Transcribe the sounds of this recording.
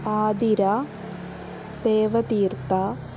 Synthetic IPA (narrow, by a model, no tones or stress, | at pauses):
aːd̪iɾa | d̪eːʋɐt̪iːrt̪a